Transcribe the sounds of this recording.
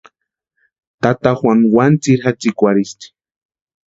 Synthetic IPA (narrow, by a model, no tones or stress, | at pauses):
t̪at̪axwaŋwant͡siɾxat͡sikʷaɾist̪i̥